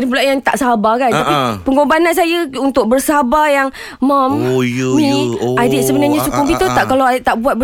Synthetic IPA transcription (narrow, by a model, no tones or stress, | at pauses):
dipulaʔjaŋt̪aʔsaabakant̪apipəŋobanans̬ajaunt̪ʊk̚bərsəɦabajaŋ | mãmmĩadɪʔsəbənarɲasukʊŋbit̪ət̪aʔkalawadɪʔt̪aʔbuat̪̚bə